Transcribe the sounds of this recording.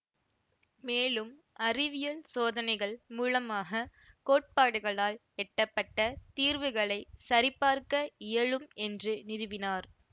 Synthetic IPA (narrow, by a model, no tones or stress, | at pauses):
meːlɯm | ʔɐrɪʋɪjɐlsoːðɐnɐɪɣɐɭmuːlɐmaːɣɐkoːʈ̚paːɽɯɣɐɭaːl | ɛʈːɐpːɐʈːɐt̪iːɾʋɯɣɐɭɐɪsɐɾɪpːaːɾkɐɪjɐɭɯmɛndrɯnɪɾɯʋɪnaːɾ